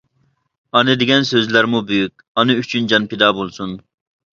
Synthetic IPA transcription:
ɑnɨd̪ɪɡʲɛnsøzlæɾmubyjyk̚ʲɑnɨyt͡ʃʰynd͡ʒɑnped̪ɑːbolˠsun

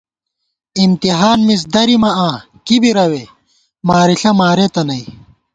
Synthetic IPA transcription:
imt̪iɦaːnmis̬d̪ɐɾimɐãː | kibiɾɐwe | maːɾiɬɐmaːɾet̪ɐnɐi

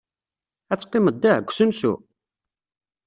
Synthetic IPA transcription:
æt͡sːqːɪməd̪ːæɡʷsənsṵ

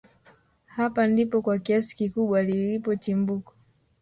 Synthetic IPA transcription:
hapandipɔkwakiasi̥kikuɓwalilipɔt͡ʃimbukḁ

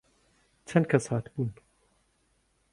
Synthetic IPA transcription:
t͡ʃʰɐnkʰɐshaːt̪buːn

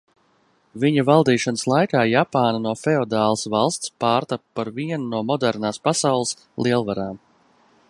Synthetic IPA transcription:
viɲavalˠd̪iːʃɔnəslˠajkaːjapaːnanuɔfeɔd̪aːlˠsvɑlˠst̪spaːɾt̪appaɾviɛnunuɔmɔd̪ɛɾnaːspasawlˠəs | lˠiɛlˠvaɾaːm

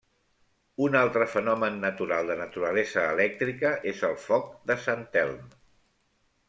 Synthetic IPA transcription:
unalˠt̪ɾəfənɔmənːət̪uɾalˠd̪ənət̪uɾəlɛzəːlɛk̚t̪ɾikəʔezəlˠfɔk̚d̪əsant̪ɛ̰lˠm

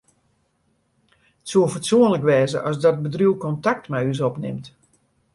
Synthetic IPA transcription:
ətsuəfɔtsuənləkʋɛːzəʔɔsdɔt̚bədruwkɔntak̚tmɛjys̬ɔpnɪ̰mt

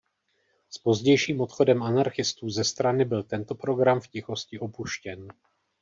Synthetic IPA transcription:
spo̞zɟɛjʃiːmo̞t̪xo̞dɛmanaɾxɪst̪uːzɛst̪ɾanɪbɪlt̪ɛnt̪o̞pɾo̞ɡɾamfcɪxo̞scɪʔo̞puʃcɛn

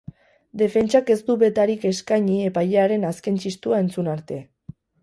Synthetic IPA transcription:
d̪e̞fe̞nt͡ʃake̞zd̪uβe̞t̪aɾike̞skaɲie̞pajʎeaɾe̞naske̞nt͡ʃist̪uae̞nt͡sunaɾt̪e̞

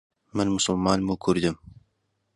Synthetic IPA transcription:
mənmʊsʊlmɑːnmukʰʊɾd̪ɪm

